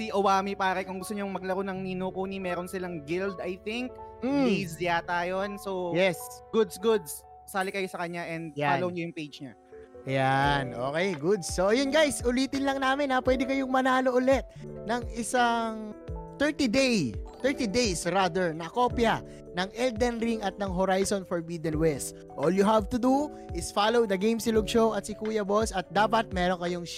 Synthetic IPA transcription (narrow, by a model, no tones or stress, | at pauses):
siʔowaːmipaːɾɐkʊŋɡʊst̪ʊɲoŋmɐɡ̚lɐɾonɐŋninukuːnimɛːɾonsɪlɐŋɡɪld̪ɐjθɪŋk̩̚ːizjaːt̪ajonsowjɛsɡ̥ʊd̪sɡʊd̪s | saːlɪkɐjosɐkɐɲaʔɛnd̪̚aːlowɲojʊŋpejd͡ʒɲa | ʔɐjanʔo̰ːkɛjɡʊd̪sːoʔjonɡajsʔʊliːt̪ɪnlɐŋnaːmɪnapwɛːd̪ɪkɐjoŋmɐnaːlo̞ʔʊlɛt̪̚nɐŋɪsaŋt̪ɛɹt̪id̪ejt̪ɛɹt̪id̪ejsɾaːd̪ɛɹnɐko̞ːpjɐ | nɐŋʔɛld̪ɛnɾiŋɐt̪̚nɐŋɦoɾajsonfoɹbid̪ɛ̃nwɛst̪ | ʔoːljʊɦavt̪ʊd̪u | ʔɪsfalowd̪ɐɡejmsɪlʊɡ̚ʃowɐt̪sɪkuːjɐbolsɐt̪̚d̪aːpɐt̪̚mɛːɾoŋkɐjo̞ŋ